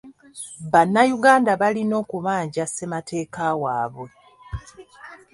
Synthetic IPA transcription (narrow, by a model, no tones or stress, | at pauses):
βanːajuɡaːndaβalino̞ːkuβaːɲɟase̞matʰe̞ːkawaːβwe̞